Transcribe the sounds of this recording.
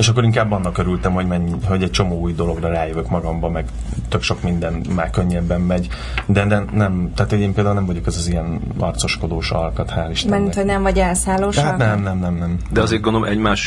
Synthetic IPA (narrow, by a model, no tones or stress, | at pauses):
eːʃɒk̬ːoɾiŋkaːbːɒnːɒkøɾylt̪ɛmho̞ɟmɛɲːiɦo̞ɟɛc̚t͡ʃo̞moːuːjd̪o̞lo̞ɡrɒraːjøvøkmɒɡɒmbɒmɛɡt̪ø̞kʃo̞kmind̪ɛnmaːrkøɲːɛbːɛmːɛɟ | d̪ɛnɛmnɛmt̪ɛaːt̪hoɟeːmpeːld̪aːulnɛmvɒɟo̞kɛzɒzijɛnɒ̰rt̪so̞ʃko̞d̪oːʃɒ̰lkɒt̪haːliʃɛint̪hoɟnɛmvɒɟɛlsaːloːʃat̪nɛmnɛmnɛmnɛmd̪ɛɒzeːt̪ɡond̪oomɛɟmaːʃ